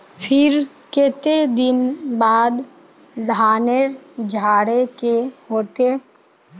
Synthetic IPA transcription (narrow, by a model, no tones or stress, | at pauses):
pʰɪɾ | ket̪ed̪ɪnbaːd̪ | d̪ʱaːneɾd͡ʒʱaːɽekehoːt̪e